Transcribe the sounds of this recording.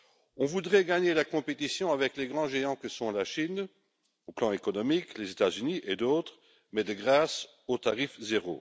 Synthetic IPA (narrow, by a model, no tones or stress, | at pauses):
ɔ̃vud̪ʁɛɡaɲelakɔ̃pet̪isjɔ̃avɛkleɡʁɑ̃ʒeɑ̃kəsɔ̃laʃin | oplɑ̃ekɔnɔmiklezet̪azyniʔed̪oːt̪χ | mɛd̪əɡʁaːs | ot̪aʁifzeʁo̰